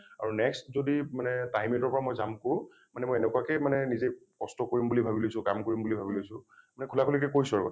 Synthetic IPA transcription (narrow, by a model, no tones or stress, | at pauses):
aɹunɛkstzodimanɛtajmetɔɹpɔɹamɔjza̰mkõ | manɛmɔjɛnɛkuwakɛmanɛnizekɔstɔkoɹimbulibʱabilojsʊ̃kamkoɹimbulibʱabilojsʊ̃manɛkʰulakʰolik̬ɛkojsʊaɹkɔ̰